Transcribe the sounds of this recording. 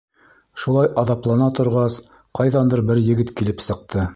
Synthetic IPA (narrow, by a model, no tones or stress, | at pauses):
ʃulˠɑjʔɑðɑplˠɑnɑt̪ŏɾʁɑs | qɑjðɑnd̪ɤɾbɘɾjɘ̆ɡɘt̪kilɘpsɤ̆q̚t̪ʰɤ